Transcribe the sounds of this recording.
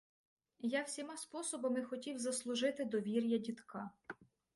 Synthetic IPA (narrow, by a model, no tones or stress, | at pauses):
jawsʲimɑspɔsɔbɔmɪxɔtʲiwzɐslˠʊʒɪt̪ɪd̪ɔʋʲiɾʲjɐdʲit̪kʰɑ